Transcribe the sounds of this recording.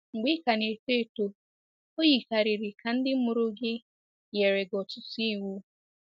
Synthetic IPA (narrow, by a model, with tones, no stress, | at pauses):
ŋ͡m̩˨ɡ͡bi˦ka˨ne˨te˦˨to˨ | o˦ji˨ka˨ɾi˨ɾɪ˨ka˨n̩˦dɪ˦m̩˦mʊ˦ɾʊ˦ɡɪ˦ | je˨ɾe˨ɡɔ˨tʊ˨si˦˨wu˦